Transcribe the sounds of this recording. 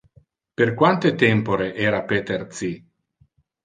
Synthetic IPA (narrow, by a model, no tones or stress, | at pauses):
perkwant̪et̪ɛmpoɾeʔeːɾapet̪eɾt̪si